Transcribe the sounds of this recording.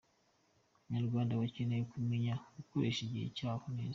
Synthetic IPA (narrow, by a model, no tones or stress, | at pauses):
uɲaɾɡwaːndawacenejokumeɲaɡukoɾeʃiɟihḛcaːfuneːz